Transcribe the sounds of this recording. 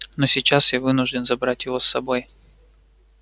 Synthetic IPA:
nosʲɪt͡ɕasjavɨnʊʐdʲɪnzɐbɾatʲjɪvo̞sːɐbo̞j

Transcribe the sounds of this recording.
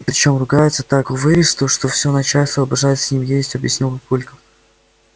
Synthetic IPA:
pɾʲɪt͡ɕo̞mrʊɡajɪt̪sə̥t̪akʊvɨɾʲɪst̪ʊʂt̪ofsʲonɐt͡ɕalʲsʲt̪vəːbɪʐajɪt̪sʲnʲimjesʲtʲɐbjɪsʲnʲilˠpɐpulʲkəm

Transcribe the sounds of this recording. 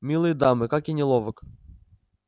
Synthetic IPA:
mʲilˠɨjd̪amɨkakʲɪnʲɪlˠovək

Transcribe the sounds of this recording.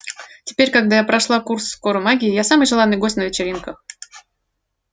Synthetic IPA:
tʲɪ̥pʲeɾʲkɐɡ̚d̪ajapɾɐʂlˠakursːko̞ɾʊmaɡʲɪɪjasamɨjʐɨlˠanːɨjɡosʲt̪ʲnəvʲɪt͡ɕɪɾʲinkəx

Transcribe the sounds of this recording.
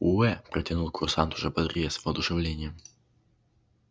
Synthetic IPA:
uɛpɾɐtʲɪnulˠkʰʊrsant̪ʊʐɛbɐd̪ɾʲjɛsvɐd̪ʊʂɨvlʲenʲɪjəm

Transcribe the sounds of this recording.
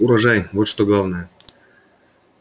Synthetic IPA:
uɾɐʐajvo̞t̪ʂt̪oɡlˠavnəjə

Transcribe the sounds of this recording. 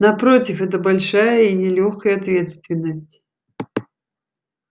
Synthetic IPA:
nɐpɾotʲɪfɛt̪̬əbɐlʲʂajəinʲɪlʲoxkəjəɐt̪vʲe̞t̪st̪vʲɪnːəsʲtʲ

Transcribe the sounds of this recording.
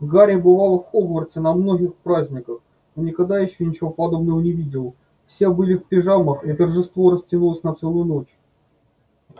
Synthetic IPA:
ɡaɾʲɪbɨvalˠfxoɡvərtʲɪnɐmnoɡʲɪxpɾazʲnʲɪkəx | nonʲɪkaɡd̪ajɪɕːɵnʲɪt͡ɕɪvopɐd̪o̞bnəvənʲɪvʲidʲɪlˠ | fsʲebɨlʲɪfpʲɪʐaməxit̪ərʐɨst̪vo̞ɾəsʲtʲɪnulˠəsʲnɐt̪sɛlˠʊjʊno̞t͡ɕ

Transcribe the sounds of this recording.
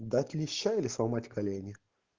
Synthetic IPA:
d̪atʲlʲɪɕːaɪlʲɪsɐmatʲkɐlʲenʲɪ

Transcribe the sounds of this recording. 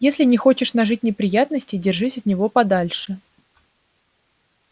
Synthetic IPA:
jesʲlʲɪnʲɪxo̞t͡ɕɪʂnɐʐɨt̚ʲnʲɪpɾʲɪjat̪nəsʲtʲɪdʲɪrʐɨsʲɐt̪nʲɪvo̞pɐd̪alʲʂɨ

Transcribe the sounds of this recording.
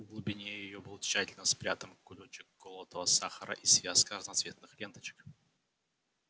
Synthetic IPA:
ɡlˠʊbʲɪnʲe̞jɪjo̞bɨlˠt͡ɕːætʲɪlʲnəspɾʲat̪əmkʊlʲot͡ɕɪkɡolˠot̪əvəsaxəɾə̰ʔisvʲaskəəznɐt̪svʲe̞t̪nɨxlʲe̞nt̪ə̥t͡ɕɪ̥k

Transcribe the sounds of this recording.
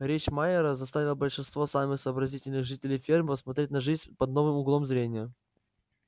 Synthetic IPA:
ɾʲet͡ɕmaɪɾəzɐst̪avʲɪlˠəbəlʲʂɨnst̪vosamɨxsəːbɾɐzʲitʲɪlʲnɨɣʐɨtʲɪlʲɪjfʲirmpəsmɐt̪ɾʲetʲnɐʐɨzʲnʲpɐd̪̚no̞vɨmʊɡlˠo̞mzɾʲenʲɪjə

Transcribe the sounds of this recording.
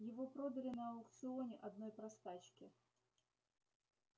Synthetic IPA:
jɪvopɾod̪ɐlʲɪnɐɐlˠkt̪sɨonʲɪʔɐd̪no̞jpɾɐst̪at͡ɕkʲɪ

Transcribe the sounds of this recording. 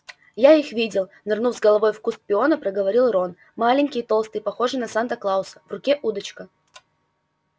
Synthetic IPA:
jaixvʲidʲɪlˠnɨrnufzʲɡəlˠɐvo̞jfkuspʲɪo̞nəpɾəɡəvɐɾʲilˠro̞n | malʲɪnʲkʲɪjt̪o̞lˠst̪ɨjpɐxo̞ʐɨnɐsant̪əklˠaʊsə̥vrʊkʲeʔud̪ət͡ɕkə

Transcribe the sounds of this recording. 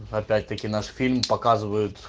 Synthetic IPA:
apʲætʲt̪ɐkʲin̪aʂfʲilʲmpɐkazɨvɐjʊt̪

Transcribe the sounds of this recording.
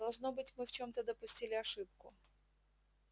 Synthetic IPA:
ɐlˠʐnobɨtʲmɨft͡ɕo̞mt̪əd̪əpʊsʲtʲilʲɪɐʂɨpkʊ̰

